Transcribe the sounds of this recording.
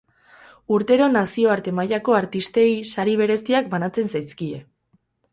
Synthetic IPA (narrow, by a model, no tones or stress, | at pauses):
uɾt̪e̞ɾo̞nasio̞aɾt̪e̞maʎako̞aɾt̪ist̪e̞jsaɾiβ̞e̞ɾe̞st̪iak̚banat͡se̞nsajskie̞̰